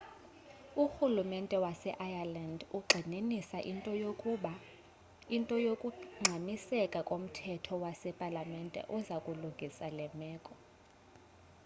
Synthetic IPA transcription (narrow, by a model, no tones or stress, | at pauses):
uxulumɛntʼɛwasɛʔajalanduɡ͡ǃʱininisaʔintʼɔjo | intʼɔjokʼuŋ͡ǀʱamisɛkʼakʼom̩tʰɛtʰɔwasɛpʼalamɛntʼɛ̰ʔuzakʼuluŋɡʱisalɛmɛːkʼɔ